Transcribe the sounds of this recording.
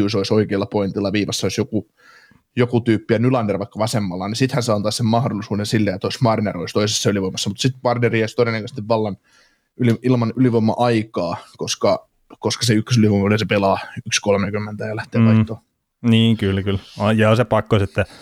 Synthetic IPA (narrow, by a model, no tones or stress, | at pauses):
uˑsoisoikeːlːɑpoint̪ilːɑʋiːʋɑsːɑoisjoku | jokut̪yːpːiænylɑnːerʋɑikːɑʋɑsemːɑlːɑnisit̪hænseɑnt̪ɑːsemmɑhdolːˑisuːdensilːeet̪ːoismɑrneroist̪oisesːɑyliʋoimːˑɑsːɑmut̪sit̪pɑrneriːost̪odenːɑkøst̪iʋʋɑlːɑn | yliilmɑnyliʋoimːɑ̰ʔɑikɑːkoskɑ | koskɑseykːøs̬yliʋoimɑlisepelɑːykskolmekymːent̪æjɑlæht̪eːʋɑit̪ːoː | niːŋkylkylɑjɑːsepɑkːoset̪ːæ